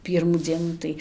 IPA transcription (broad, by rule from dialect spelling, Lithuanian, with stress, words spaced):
ˈpʲiːrmuː ˈd͡zʲiɛnuː tɐɪ